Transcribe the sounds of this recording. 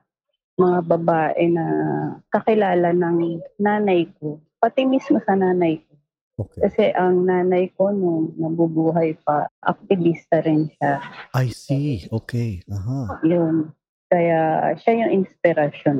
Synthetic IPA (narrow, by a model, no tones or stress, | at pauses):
mɐŋabɐbaːʔɛnɐkɐkɪlaːlɐnɐŋnaːnɐjko̞ | pɐt̪ɪmismo̞sɐnaːnɐjk̚o̞ | okɐsɛʔɐŋnaːnɐjko̞noŋnɐbubuːɦɐjp̚ɐʔɐ̰k̚t̪ɪvist̪ɐɾɪnʃaajsioːkɛaɦajon | kɐjaʃajʊŋʔɪnspɪɾɐʃon